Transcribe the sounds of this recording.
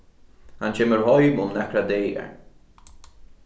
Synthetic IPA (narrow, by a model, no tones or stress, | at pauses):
anʃɛməɹhɔjmʊmnakʰɾad̪eːɛ̰ɹ